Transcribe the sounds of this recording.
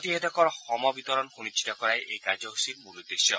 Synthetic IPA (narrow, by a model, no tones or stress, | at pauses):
t̪iɦed̪ɔkɔɾɔxɔmɔbit̪ɔɾɔnxunit͡ʃʰːi̥t̪ɔkɔɾaeʔejkad͡ʒɔɦusiɾmulud̪eʃjɔ̰